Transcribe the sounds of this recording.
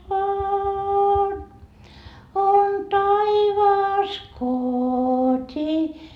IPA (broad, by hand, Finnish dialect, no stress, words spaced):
ʋɑːn on tɑiʋɑːs kotʲi